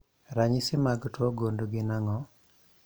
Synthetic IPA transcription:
ɾaɲɪsɪmaɡtwɔɡondoɡɪnaŋɔ

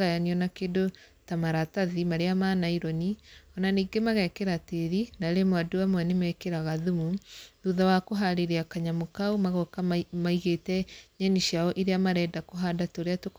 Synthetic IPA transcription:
ɣajaniɔnakedotamaɾataðimaɾeamanaiɾɔniɔnaniːɡemaɣɛkeɾateɾinaɾemwaduamwanemɛkeɾaɣaðumuðuðawakoɦaɾeɾeakaɲamokaumaɣɔkamaiɣetɛɲaɲiʃiaɔʔiɾeamaɾɛdakoɦadatoɾeatok

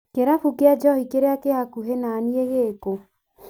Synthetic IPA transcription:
keɾafukead͡ʒɔhikeɾeakehakuɦenaːnieɣeːko

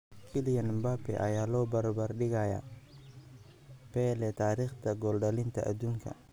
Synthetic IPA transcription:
kʰɪlɪjɐnmbapɛ̰ʔɐjaːlɔːbɐɾbɐrɗɪɣaja̰ | pɛlɛt̪ʰaːɾiːχt̪ʰɐɡɔlɖɐlɪnt̪ʰɐʔa̰d̪uːŋkʰɐ̰

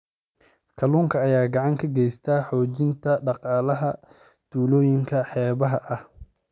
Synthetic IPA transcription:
kʰɐluːŋkʰɐːjaːɡɑʕɑŋkʰɐɡɛjst̪ʰaːħɔːt͡ʃɪnt̪ʰɐɖɑqɑːlɐɦɐ | d̪̥uːlɔːjɪŋkʰɐħɛːβɐɦɐʔɐh

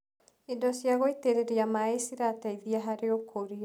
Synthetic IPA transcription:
idɔsjaɣoiteɾeɾiamaesiɾataiðiaɦaɾeokʰoɾia

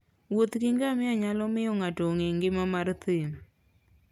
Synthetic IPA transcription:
wot̪kiŋɡamɪaɲalɔmɪɔŋatoŋeŋɡɪmamaɾt̪ɪm

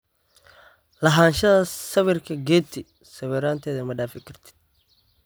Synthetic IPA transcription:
lɐɦaːnʃɐðɐsɐβɪrkʰɐɡɛːt̪ʰɪ | sɐβɪɾaːnt̪ʰɛːðɐmɐɖaːfɪkʰɐrt̪ʰɪ̥

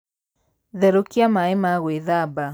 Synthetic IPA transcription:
ðɛɾokiamaemaɣweðaba

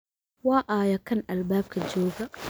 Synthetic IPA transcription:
waːʔaːjakanʔalbaːb̚kad͡ʒoːɡa

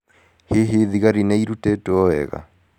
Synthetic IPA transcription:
heɦeðiɣaɾineiɾutetoɔɛ̰ɣa̰

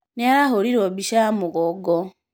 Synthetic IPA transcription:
neaɾaɦoɾiɾobiʃamuɣoɡo

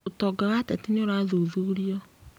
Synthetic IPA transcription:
otɔɡaɣatɛtineoɾaðoðuɾiɔ

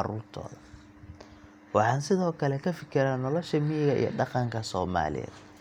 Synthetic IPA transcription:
ɑɾuːrt̪ʰɔ̰ːðɐ | wɑħɑːnsɪðɔːkʰɐlɛkʰɐfɪkʰɪɾanɔlɔʃɐmɪjɪɣɐʔḭjɔ̰ɖɑqɑŋkʰɐsɔːma̰ːlɪ̰jɛ̰ːd̪

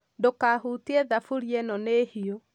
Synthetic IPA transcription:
dokaɦutiɛðafuɾjɛnɔnehio

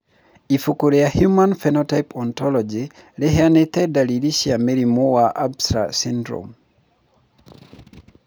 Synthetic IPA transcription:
ifokoɾejahjumãnfɛnɔtajpʰɔnt̪ɔlɔd͡ʒi | leɦeanet̪ɛdaliliʃiameɾimowaʔabstɾa̰sĩndɾo̰m

